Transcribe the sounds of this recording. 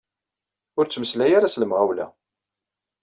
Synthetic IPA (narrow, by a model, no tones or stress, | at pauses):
ʊɾt͡sːməslæjaɾasləmʁawlæ̰